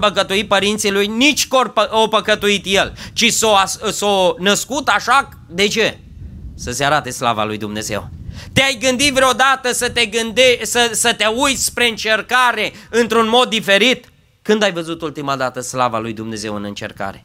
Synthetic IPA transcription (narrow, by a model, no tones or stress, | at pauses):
pəkət̪uipəɾint̪silujnit͡ʃʲkorpəopəkət̪uit̪je̞lt͡ʃisoassonəskut̪aʃa | d̪e̞t͡ʃe̞ | səseaɾat̪e̞sla̰va̰lujd̪umne̞ze̞̰wt̪eajɡɨnd̪it̪vɾeod̪at̪əsət̪e̞ɡɨnd̪esəsət̪eujt̪sʲspɾe̞ɨnt͡ʃe̞rkaɾe̞ɨnt̪ɾunmo̞d̪ːife̞ɾit̪ | kɨnd̪ajvəzut̪ult̪imad̪at̪əslava̰lujd̪umne̞ze̞wɨnɨnt͡ʃe̞̰rka̰ɾe̞̰